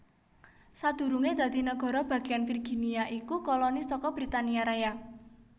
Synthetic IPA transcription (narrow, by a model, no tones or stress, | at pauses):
sad̪̥ṳɾuŋed̪̥ä̤d̪̥i̤nəɡ̥ɔ̤ɾɔb̥ä̤ɡ̥ianfirɡ̥iniaʔikukolɔnisɔkɔb̥ɾit̪aniaɾaja